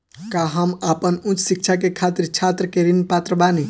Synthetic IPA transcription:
kaɦəmapənũt͡ʃsik̚t͡ʃʰakekʰat̪iɾt͡ʃʰat̪ɾəkeɾinpat̪ɾəbani

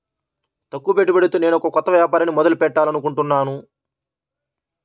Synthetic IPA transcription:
t̪ɐkːupeʈ̬ːibeɽut̪uːne̞ːnuɔkɐkɔt̪ːɐʋjaːpaːɾɐnimɔd̪ɐlupɛʈːaːlɐnukuɳʈunːaːnu

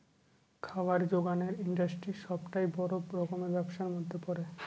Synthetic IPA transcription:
kʰawaɾd͡ʑoɡaneɾiɳɖasʈɾiʃɔbʈajbɔɾoɾɔkomeɾbɛbʃaɾmod̪ʱːepɔɾe

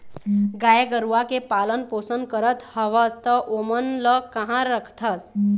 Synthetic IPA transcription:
ɡajeɡəɾuwakepalənposən̚kəɾət̪ʰhəʋəst̪əʔomənləkəɦãɾəkʰt̪ʰəs

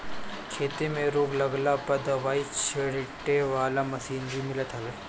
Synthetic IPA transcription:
kʰeːt̪emẽɾʊːɡlɐɡlapɐd̪ɐʋaːit͡ʃʰeɽɪʈeʋaːlamɐsiːnbʱimɪlət̪ɦɐʋeː

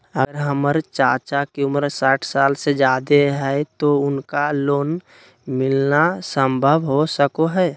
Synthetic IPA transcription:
əɡəɾɦəməɾt͡ʃaːt͡ʃakeʊmɾsaːʈʰsaːlsed͡ʒaːd̪eɦɛt̪oʊnkaloːn | mɪlnasə̃mbʱəʋɦosəkoɦɛː

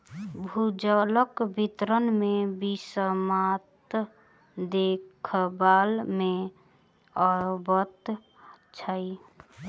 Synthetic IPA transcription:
bʱud͡ʒələkbʱit̪ɾənmebisəmat̪ | d̪ekʰbalme | ɔɾbət̪ | t͡ʃʰəi

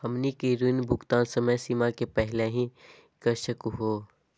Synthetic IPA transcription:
hɐmnikeɾunbʱʊkt̪aːnsəməjsimakepɛɦɪleɦĩ | kəɾʃəkuɦoː

